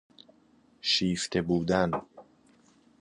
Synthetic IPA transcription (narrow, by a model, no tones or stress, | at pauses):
ʃiːft̪ʰebuːd̪æn